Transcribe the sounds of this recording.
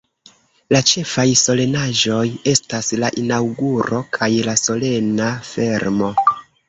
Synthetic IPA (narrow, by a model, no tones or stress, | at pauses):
lat͡ʃe̞fajso̞le̞naʒo̞je̞staslaʔinawɡuɾo̞kʰajlaso̞le̞nafe̞ɾmo̞